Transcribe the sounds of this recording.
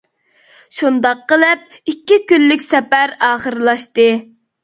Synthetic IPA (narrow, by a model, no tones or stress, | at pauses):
ʃund̪ɑqːəlˠɨp̚ikʲːikʲynːɪkʲsɛpæɾɑːχəɾɨlˠɑʃt̪ɨ